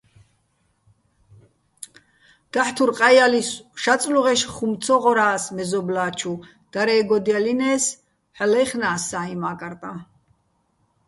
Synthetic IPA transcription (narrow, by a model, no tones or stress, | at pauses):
d̪̥aħt̪ʰuɾqʼajalisʃat͡sʼluʁɛʃχumt͡sʰɔʁɔɾaːsmɛzɔblaːt͡ʃʰu | d̪̥aɾɛːɡɔd̪ialinɛːs | ħɛlɛχnaːsːaːimaːkʼaɾt̪ʼa